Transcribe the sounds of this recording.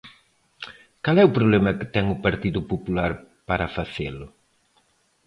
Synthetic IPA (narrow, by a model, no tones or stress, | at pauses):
kalɛupɾoβlɛmɐkɪ̥t̪ɛŋʊpaɾt̪iðʊpopulaɾpaɾɐfaθelʊ